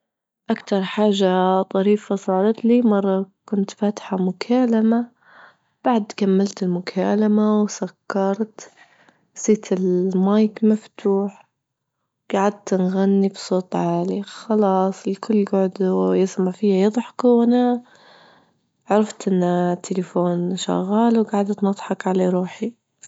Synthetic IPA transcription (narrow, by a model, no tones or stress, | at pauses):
ʔakt̪ɑɾˤħaːʒːat̪ˤɑɾiːfasˤɑːɾˤɑt̪limɑrˤːɑkʊnt̪faːt̪ħamʊkʰaːlama | b̥aʕd̪kamːalt̪ɪlmʊkʰaːlamawsakːɑɾˤt̪ | siːt̪ʰɪlmajkmaft̪ʰuːħ | ɡ̥aʕad̪̚t̪nɣanːibsˤoːt̪ˤʕaːlixɑlɑːsˤlkʰʊlːɡʊʕd̪jɪsmaʕfijːajɑðˤħkwʔana | ʕɑɾˤɑft̪ʔɪnːat̪ʰːɪlafoːnʃa̰ɣːaːlwɡaʕad̪t̪nɑt̪ˤħɑkʕalaɾˤuːħi